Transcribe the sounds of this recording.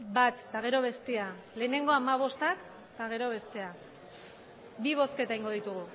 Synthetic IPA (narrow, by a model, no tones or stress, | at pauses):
bat̪ːaɣ̞e̞ɾo̞β̞e̞st̪ea | le̞ːne̞ŋɡo̞amaβ̞o̞st̪ak | t̪aɣ̞e̞ɾo̞β̞e̞st̪e̞a | biβ̞o̞ske̞t̪aijŋɡo̞ð̞it̪uɣ̞u